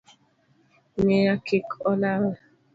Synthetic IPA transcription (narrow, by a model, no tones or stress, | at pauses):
mejakikɔlaɾa